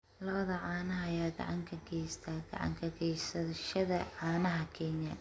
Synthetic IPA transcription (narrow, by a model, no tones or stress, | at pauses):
lɐβɐðɐʕɑːnɐɦɐjaːɡɑ̰ʕɑŋkʰɐɡɛjst̪ʰaɡ̥ɐ̰ʕɑ̰ŋkʰɐɡɛjsɐʃɐðɐʕɑːnɐɦɐkʰɛnjɐ